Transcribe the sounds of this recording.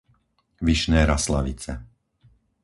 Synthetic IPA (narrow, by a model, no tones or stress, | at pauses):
ʋiʃnɛːɾaslaʋit͡sɛ